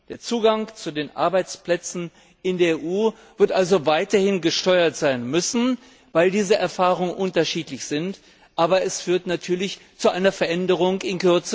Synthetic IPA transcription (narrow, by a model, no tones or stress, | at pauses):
d̥eːɐt͡suːɡaŋt͡sudeːnʔa̰ɐbaɪt͡spl̥ɛt͡sn̩ | ɪndeːɐeʔuː | v̥ɪɐtʔalzovaɪtɐhɪnɡəʃtɔʏɐtz̥aɪnmʏsn̩ | vaɪldiːzəʔɛɐfaːʁʊŋənʔʊntɐʃiːtlɪçz̥ɪnt | ʔaːbɐɛsfyːɐtnatʰyːɐlɪçt͡suʔaɪnɐfɛɐʔɛndəʁ̞ʊŋkɪnkʏɐt͡sə